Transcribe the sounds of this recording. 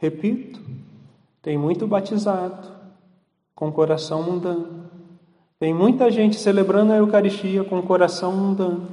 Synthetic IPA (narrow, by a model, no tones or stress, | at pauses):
hepit̪ʊ̥ | t̪ẽj̃mũj̃t̪ʊbat͡ʃizad̪ʊ | kõkoɾasɐ̃w̃mũd̪ɐ̃nʊ | t̪ẽj̃mũj̃t̪ɐʒẽnt͡ʃɪ̥selebɾɐ̃nd̪ʊɐewkaɾist͡ʃiɐkõkoɾasɐ̃w̃mũd̪ɐ̃nʊ